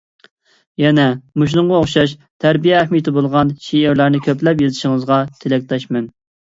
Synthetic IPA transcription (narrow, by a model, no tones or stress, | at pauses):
jɛnɛmuʃ̬lˠʊŋʁɑoχʃɑʃt̪ʰæɾbijɛæχmijt̪ʰɪbolˠʁɑnʃieɾlæɾnɪkʲʰøplɛpjezɪʃiŋəzʁɑt̪ʰelɛk̚ʲt̪ɛʃmɛn